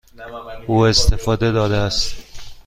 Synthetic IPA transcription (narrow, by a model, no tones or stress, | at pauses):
uːe̞st̪efɒːd̪e̞d̪ɒːd̪eæst̪